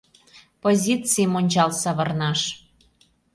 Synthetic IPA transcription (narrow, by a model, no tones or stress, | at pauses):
pozʲit͡sijmonʲt͡ɕɑlsɑβɤrnɑʃ